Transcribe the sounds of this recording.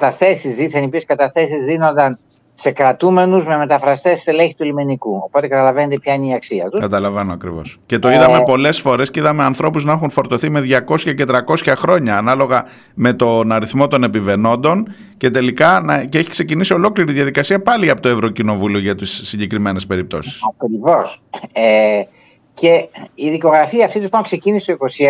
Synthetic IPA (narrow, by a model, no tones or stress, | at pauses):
ɐt̪ɐθe̞sizðiθɐnipieskɐt̪ɐθe̞sizðinond̪ɐn | sekɾɐt̪ume̞nuzmeme̞t̪ɐfɾɐst̪e̞sseleɲçi̥t̪uelimenikuo̰po̞t̪ekɐt̪ɐlɐvenod̪epçɐineiɐksiɐ̰t̪ukɐt̪ɐlɐvenoɐkɾivo̰sce̞t̪o̞iðɐmepo̞le̞sfo̞ɾe̞sceiðɐmeɐnθɾo̞puznɐexunfo̞ɾt̪o̞θime̞ðʝɐko̞sçɐce̞t̪ɾɐko̞sçɐxɾo̞ɲɐːnɐlo̞ɣɐ | me̞t̪o̞nɐɾiθmo̞t̪o̞ne̞pive̞no̞nd̪o̞n | ce̞t̪e̞likɐnɐce̞çi̥kse̞cinisio̞lo̞kliɾiðʝɐðikɐsiɐpɐliɐpot̪o̞e̞vɾo̞cino̞vulio̞ʝɐt̪isːiɲɟe̞kɾime̞ne̞spe̞ɾip̚t̪o̞̰si̥sɐkɾivo̞se | ce̞iðiko̞ɣɾɐfiɐːft̪it̪usp̪oŋkse̞cinist̪oiko̞si